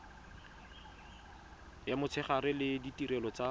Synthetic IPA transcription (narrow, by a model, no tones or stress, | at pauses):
jamʊt͡sʰɛχaɾɪlɪditiɾɛlɔt͡sa